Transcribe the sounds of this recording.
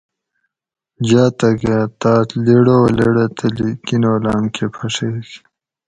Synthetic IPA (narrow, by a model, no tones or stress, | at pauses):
d͡ʑaːt̪ɐket̪aːt̪leɽoleɽet̪elikinoːlaːmkʰepʰɐʂek